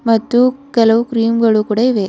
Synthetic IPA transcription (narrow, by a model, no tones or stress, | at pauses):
mɐt̪ːukɛlɐʋɯkɾiːmɡɐɭukuɽɐʋeː